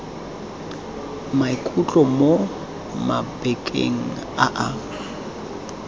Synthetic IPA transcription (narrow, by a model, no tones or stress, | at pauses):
maikʼut͡ɬʼɔmo | ma̰bɛkʼḛŋ̩ | a̰ʔa